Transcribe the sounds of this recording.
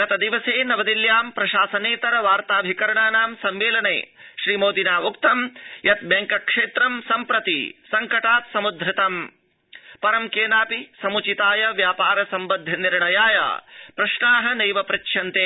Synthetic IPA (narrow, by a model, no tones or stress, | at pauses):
ɐt̪ɐd̪iʋɐseːnɐʋɐd̪iljaːmpɾɐʃaːsɐneːt̪ɐɾɐʋaːɾt̪aːbʱikɐɾɐɳaːnaːmsɐmʋeːlɐnḛːʃɾiːmoːd̪inaːupt̪ɐmjɐt̪̚beŋkɐkʂeːt̪ɾɐmsɐmpɾɐt̪ḭsɐŋkɐʈaːt̪sɐmud̪ʱɾɪt̪ɐm | pɐɾɐmkeːnaːpisɐmut͡ʃit̪aːjɐʋjaːpaːɾɐsɐmbɐd̪ʱːɐniɾɳɐjaːjɐ̰pɾɐʃɳaːɦɐ̆nejʋɐpɾɐkʃʰjɐnt̪eː